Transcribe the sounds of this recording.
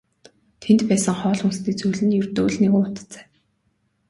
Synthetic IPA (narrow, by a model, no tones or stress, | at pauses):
t̪ʰent̪pæːsə̆ŋχɔːɮunsniːkt͡sujɮɘ̆njɵrt̪oːɮneɣuːʊt̪t͡sæ̥ː